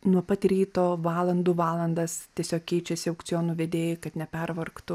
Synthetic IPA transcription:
nuɔpɐt̪ʲɾʲiːt̪oːʋɑːlˠɐnd̪uːʋɑːlˠɐnd̪ɐst̪ʲiɛsʲoːkʲkʲɛɪt͡ʃʲɛsʲɪɐʊkt͡ssʲɪjoːnuːʋʲeːd̪ʲeːjɪkɐt̪nʲɛpʲɛrʋɐrkt̪ʊ

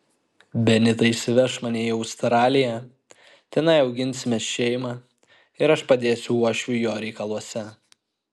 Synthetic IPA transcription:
bʲɛnʲɪt̪ɐɪʃʲsʲɪʋʲɛʃmɐnʲeːɐʊst̪ɾɑːlʲɪjɛ | t̪ʲɛnɐɪɒʊɡʲɪnʲsʲɪmʲeːsʃʲɛɪmɑː | ɪɾɐʃpɐd̪ʲeːsʲʊuɔʃʲʊjoːɾʲɛɪkɐlˠuɔsʲɛ

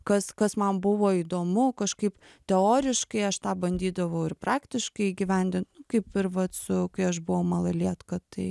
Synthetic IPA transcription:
kɐskɐsmɐmbʊʋoːid̪oːmʊkɐʃkɐɪp | t̪ʲɛoːɾʲɪʃkɐɪɐʃt̪ɑːbɐnʲd̪ʲiːd̪ɐʋɐʊɪɾpɾɑːkt̪ʲɪʃkɐɪiːɡʲiʋʲɛnʲd̪ʲɪnt̪nʊkɐɪpɪɾʋɐt̪sʊkɐɪɐʃ̬bʊʋɐʊmɐlˠɐlʲiɛt̪kɐt̪ɐɪ

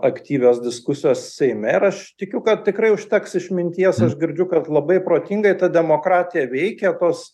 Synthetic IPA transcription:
ɐkt̪ʲiːʋʲoːsd̪ʲɪskʊsʲɪjoːssʲɛɪmʲɛɪɾɐʃt̪ʲɪkʲʊkɐtt̪ʲɪkɾɐɪʊʃʲt̪ʲɛksɪʃmʲɪnʲt̪ʲiɛsɐʃɡʲɪɾʲd͡ʒʲʊkɐt̪lˠɐbɐɪpɾoːt̪ʲiŋɡɐɪt̪ɐd̪ʲɛmoːkɾɑːt̪ʲɪjɛʋʲɛɪkʲɛt̪oːs

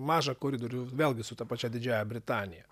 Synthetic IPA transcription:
mɑːʒɐkoːɾʲiːd̪oːɾʲʊʋʲeːlˠʲɡʲɪsʊt̪ɐpɐt͡ʃʲɛd̪ʲɪd͡ʒʲæːjɛbʲɾʲɪt̪ɑːnʲɪjɛ

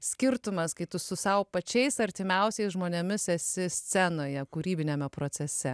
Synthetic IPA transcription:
sʲkʲɪɾt̪ʊmɐskɐɪt̪ʊsʊsɐʊpɐt͡ʃʲɛɪsɐɾʲt̪ʲɪmʲɛˑʊsʲɛɪsʒmoːnʲɛmʲɪsɛsʲɪsʲt͡s̪ʲɛnoːjɛkuɾʲiːbʲɪnʲɛmʲɛpɾoːt̪sʲɛsʲɛ

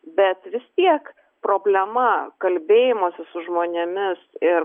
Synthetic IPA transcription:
bʲɛt̪ʋʲɪst̪ʲiɛk | pɾoːbʲlʲɛmɐkɐlʲbʲeːjɪmoːsʲɪsʊʒmoːnʲemʲɪsɪɾ

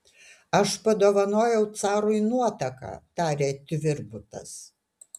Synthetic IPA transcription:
ɐʃpɐd̪oːʋɐnoːjɛʊt̪sɑːɾʊɪnuɔt̪ɐkɑ̰ːt̪ɑːɾʲeːt̪ʲʋʲɪɾbʊt̪ɐ̰s

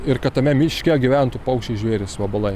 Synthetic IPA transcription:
ɪrkɐt̪ːɐmʲɛmʲɪʃʲkʲɛɡʲɪʋʲænt̪upɐʊkʃʲt͡ʃʲɛɪʒʲʋʲeːɾʲɪsʋɐbɐlˠɐɪ

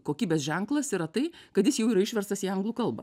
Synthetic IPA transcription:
koːkʲiːbʲeːsʒʲɛŋklˠɐsiɾɐt̪ɐɪkɐt̪jɪsjɛʊiːɾɐɪʃʲʋʲɛrst̪ɐsiːɐŋɡlˠuːkɐlˠbɐ̰

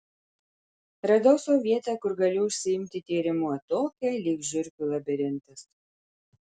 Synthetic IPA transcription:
ɾɐd̪ɐʊsoːʋʲiɛt̪æːˑkʊɾɡɐlʲʊʊʃʲsʲɪɪmʲt̪ʲɪt̪ʲiːɾʲɪmuɐt̪oːkʲɛlʲiːɡʒʲʊɾʲkʲulˠɐbʲɪɾʲɪnˑt̪ɐs

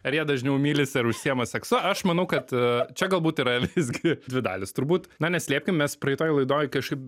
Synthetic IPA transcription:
ɐɾjiɛd̪ɐʒʲnʲɛʊmʲiːlʲɪsʲɐɾʊʃʲsʲiɛmɐsʲɛksʊɐʃmɐnɐʊkɐt̪t͡ʃʲɛɡɐlˠbuːt̪iːɾɐʋʲɪzʲɡʲɪdʲʋʲɪd̪ɑ̰ːlʲɪst̪ʊɾbuːt̪nɐnʲɛsʲlʲiːpʲkʲɪmʲɛspɾɐɪt̪oːjlˠɐɪd̪oːjkɐʃkɐɪp

